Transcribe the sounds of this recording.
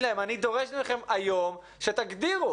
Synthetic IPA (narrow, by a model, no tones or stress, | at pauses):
laemanid̪o̞ʁeʃmeχe̞majo̞m | ʃe̞t̪aɡd̪iʁu